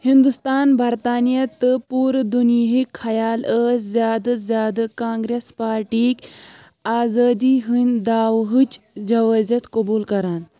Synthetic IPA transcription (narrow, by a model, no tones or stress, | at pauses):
hind̪ust̪aːnbʱɐɾt̪aːnijɐt̪əpuːɾd̪unjɦikʰɐjaːləːszjaːd̪ɐzjaːd̪ɐkãːŋɡɾespaːɾʈiːkʲ | aːzaːd̪iːɦunʲd̪aːʋɦɨt͡ʃ | d͡ʒɐʋəzɐt̪kɐbuːlkɐɾaːn